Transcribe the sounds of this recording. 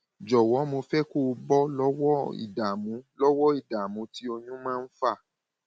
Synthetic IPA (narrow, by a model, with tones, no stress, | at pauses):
d͡ʒɔ˨wɔ˨˦mo˧fɛ˦ko˦˨˧bɔ˦lɔ˦wɔ˦ḭ˨da˨mũ˨˦lɔ˦wɔ˦i˦˨da˨mũ˨˦ti˦o˧ɲũ˦mãː˦˧n̩˦fa˦˨